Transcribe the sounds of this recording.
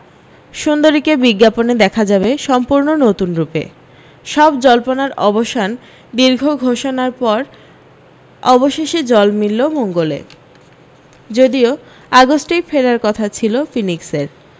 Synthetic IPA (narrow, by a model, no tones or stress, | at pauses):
ʃund̪oɾikebiɡːaponed̪ɛkʰad͡ʑabeʃɔmpuɾnonot̪unɾupḛ | ʃɔbd͡ʑɔlponaɾɔboʃan | d̪iɾɡʱoɡʱoʃonaɾpɔɾ | ɔboʃeʃid͡ʑɔlmilːomoŋɡolḛ | d͡ʑod̪io | aɡosʈijfeɾaɾkɔt̪ʰat͡ɕʰilofinikseɾ